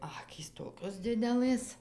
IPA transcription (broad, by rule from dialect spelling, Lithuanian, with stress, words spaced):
ˈɑːkʲiːs ˈtoːkʲoːs ˈdʲɪdʲɛlˠɘs